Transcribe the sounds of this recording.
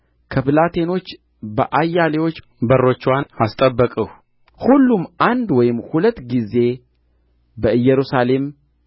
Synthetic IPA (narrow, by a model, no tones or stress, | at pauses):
kʰəpɨlat̪ʰe̞no̞t͡ʃː | bəʔajːalewo̞t͡ʃː | bərːo̞t͡ʃːwanast̪ʼəbːəkʼəh | hulːumand̪wɔjɪmhulət̪ːɡize̞ | bəɨjːɛɾusale̞m